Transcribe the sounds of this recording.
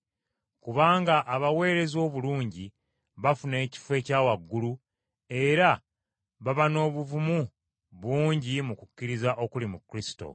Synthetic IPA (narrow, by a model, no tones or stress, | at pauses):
kuβaːŋɡaʔːβawe̞ːɾe̞zo̞ːβuluːɲɟi | βafune̞ːci̥fwe̞ːcaːwaɡːulu | e̞ɾa | βaβano̞ːβuvumu | βwuːɲɟimukucːiɾizaʔo̞kulimukːɾisi̥to̞̰